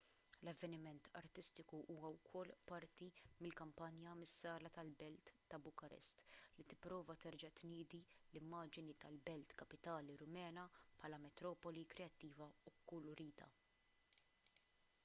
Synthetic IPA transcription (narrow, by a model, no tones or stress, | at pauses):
lɐvːɛnɪmɛnt̪ʰɐ̰ɾt̪ɪst̪ɪkuʔuːwɐwkʰɔlːpɐɾt̪imɪlkɐmpɐnjɐmɪsːɐːlɐt̪ɐlbɛlt̪ːɐbʊkɐɾɛ̰st̪lit̪ɪpːɾɔːvɐt̪ɛɾd͡ʒɐt̪niːd̪ilɪmːɐːd͡ʒɪnit̪ɐlbɛlt̪kɐpɪt̪ɐːliɾʊmɛːnɐpħɐːlɐmɛt̪ɾɔːpɔlikɾɛɐt̪ːiːvɐukːʊlʊɾiːt̪ɐ̰